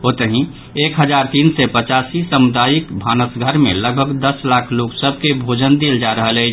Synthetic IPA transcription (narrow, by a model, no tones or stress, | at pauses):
ɦot̪əɦĩ | ekɦəd͡ʒaɾt̪iːnsɛpət͡ʃasisəmud̪ajikbʱanəsɡʱəɾmḛ̃ləɡ̚bʱəɡd̪əslakʰloɡsəb̚ʱkebʱod͡ʒənd̪eld͡ʒaɾəɦəlɛ